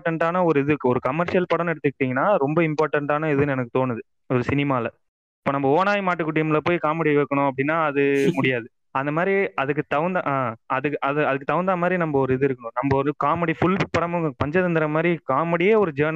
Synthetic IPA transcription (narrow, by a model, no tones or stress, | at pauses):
ʈːɐɳʈaːnɐɔɾɯɪðɯɔɾɯkɐmːɐɾʂɪjɐlpɐɽɐ̃mɛɽɯt̪ːɯk̚ːʈːiːŋɡɐnːaːɾɔmbɐɪmpaːɾʈːɐɳʈaːnɐɪðɯnɛnɐkːɯ̥t̪oːnɯðɯ | ɔɾɯsɪnɪmaːɪlɐ | ɪpːoːnɐmːbɐoːnaːjmaːʈːɯkːʊʈːɪjɐmɭlɐp̬oːjikaːmɛɽiʋɛːkːɐɳʊ̃ɐp̬ːɐɽɪnːaːɐðɯmʊɽɪjaːðɯ | ɐnd̪ɐmaːd̪ɾiɐðɯk̬ːɯt̪ɐʋɐnd̪ɐʔaːɐðɯkːʔɐðɯɐðɯk̬ːɯt̪ɐʋɐnd̪amaːd̪ɾinɐmbɐɔɾɯɪðɯɪɾɯkːɐɳʊ̃nɐmbɐɔɾɯkaːmɐɽifʊlpɐɽɐmɯŋɡɐpɐɲd͡ʒɐðɐnd̪ɪɾɐmaːd̪ɾikaːmɛɽɪjeːɔɾɯd͡ʒeːn